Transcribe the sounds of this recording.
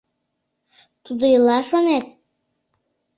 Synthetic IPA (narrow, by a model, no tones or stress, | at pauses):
t̪ud̪ojilɑʃonet̪